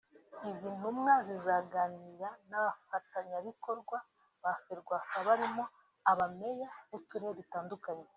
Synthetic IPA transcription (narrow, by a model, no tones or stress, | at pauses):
izin̥umŋazizaɡaːniɾanaβafataɲaβiko̞ɾɡwa | βafeɾɡwaːkaβaɾimo | aβame̞jaβutuɾeβitaːndukaɲe